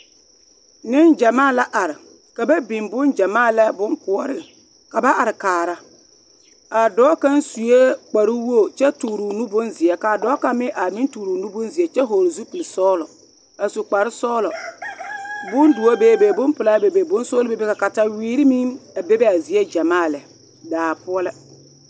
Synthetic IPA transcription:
nɪ˦nd͡ʒa˨maː˦˨la˦ʔa˨ɾɪ˨ | ka˨ba˦bĩ˨mbʊ˦nd͡ʒa˨maː˦˨lɛ˦bʊ˦ŋkʊ˨ɔ˦ɾɪ˨ | ka˨ba˦ʔa˨ɾɪ˨kaː˨ɾa˦ | a˨dɔː˨˦ka˦nsu˨je˦k͡pa˨ɾi˦wo˦˨t͡ʃɛ˦tuː˨ɾu˨nu˦bʊ˦nzɪ˨ɛ˨ka˨dɔː˦ka˦mɪ˦ʔa˨mɪ̃˦ntuː˨ɾu˨nu˦bʊ˦nzi˨ɛ˨t͡ʃɛ˦ɦoː˨ɾzu˦pi˨li˨sɔː˦lɔ˨ | a˨su˨k͡pa˨ɾɪ˦sɔː˦lɔ˨ | bʊ˦ndu˨a˦beː˨˦˨be˨bʊ˦npʊ˨la˦be˨be˨bʊ˦n˦soː˦lbe˦be˦ka˨ka˨ta˦wiː˦ɾi˦mi˦a˨be˦bɛ˦a˨zi˨e˦d͡ʒa˨maː˦˨lɛ˨ | daː˨pʊ˦ɔ˦lɛ˦

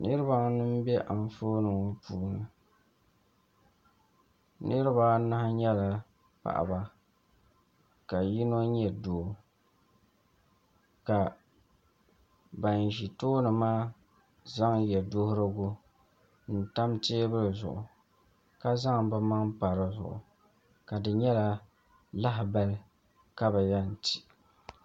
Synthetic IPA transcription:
nɨ˦ɾɨ˦ba˦nɨ˦m˦bɛ˦ʔa˨ɱ˦foː˦nɨ˨ŋ˨puː˨nɨ˨ | nɨ˦ɾɨ˦ba˦na˦ha˦ɲɛ˦la˨ | pa̰˨ʔa̰˨ba˨ | ka˨ji˦no˦ɲɛ˨doː˨ | ka˨ | ba˨n˨ʒi˨toː˦nɨ˨maː˦ | za˦ŋjɛ˨do˦hʊ˦ɾɨ˦ɡo˦ | n̩˨ta˦mteː˦bɨ˦lzʊ̰˨ʔʊ˨ | ka˦za˦ŋ˨bɨ˦ma˦ŋpa˨ɾɨ˨zʊ̰˨ʔʊ̰˨ | ka˨dɨ˨ɲɛ˦la˦ | la˦ɦɪ˨ba˦l | ka˦ba˨ja˦n̩˨ti̥˨

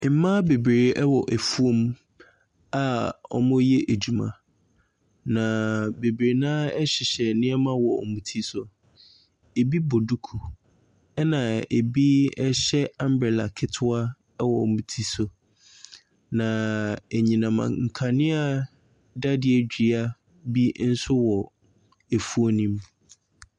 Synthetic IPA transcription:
mã˦be˨bɾe˨˦ɛ˦wɔ˨ʔæ˨fu˦o˦m | a˨ɔ̰˦mʊ̃˦jɛ˦ʔe˨d͡ʑu˨mã̰˨ | nã˨be˨bɾe˨nãː˦ɛ˦ɕɪ˨ɕɛ˨nɪ̃˦ɛ˦mã˦wɔ̰˨mũ˨tʰi˦sʊ˨ | e˨bi˦bo˨du˦kʰu˨ | ɛ˦nã˨e˨bi˦ɛ˦ɕɛ˦ã˦m˦bɾɛ˨la̰˨kʰɪ˦tʰʊ˦a˦ | wɔ˨ũ˨tʰi˦sʊ˨ | nã˨e˨ɲĩ˨nã˨mã̰˨ŋ̩˨kʰa˨nɪ̃˦a˨ | da˦dɪ˨ɛ˨d͡ʑᶣi˨˦a˦ | bi˦n̩˦sʊ˦wɔ˨ | e˨fu˦o˦nĩ˦m

